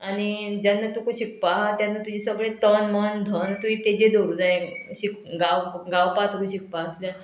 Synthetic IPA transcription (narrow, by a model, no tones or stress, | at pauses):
aɽid͡ʑanːat̪ukũɕik̚paɦt̪janːat̪ud͡ʑisəɡɭẽt̪ənmənd̪ʱənt̪uit̪ed͡ʑed̪oɡd͡zaeɕik̚ɡawɡawpat̪ukʰũɕik̚paɦk̪ila